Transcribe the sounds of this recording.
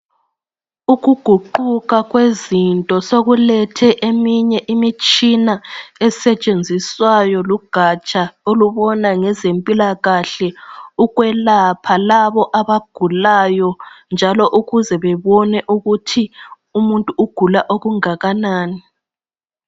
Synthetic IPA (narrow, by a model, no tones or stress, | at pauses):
uɣuɡ̥ʱuǃuɣaɣwezintʼɔsoɣulɛtʰɛʔemiɲɛʔimit͡ʃʼinaɛsɛt͡ʃʼend͡zʱiswajɔluɡ̥ʱat͡ʃʼaoluβɔnaŋɛzempʼilaɣaɬɛuɣwɛlapʰalaβɔʔaβaɡ̥ʱulajɔnd͡ʒʱalɔʔuɣuzɛβɛβɔnɛʔuɣutʰi | umuntʼuʔuɡ̥ʱulaʔoɣuŋaɣanaːni